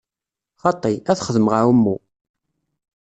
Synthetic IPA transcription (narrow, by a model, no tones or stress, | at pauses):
χɑt̪ˤːiæθχəðəməʁawəmːu